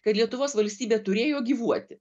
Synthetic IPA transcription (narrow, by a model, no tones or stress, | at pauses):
kɐt̪lʲiɛt̪ʊʋoːsʋɐlʲsʲt̪ʲiːbʲeːt̪ʊɾʲeːjoːɡʲiːʋuɔt̪ʲɪ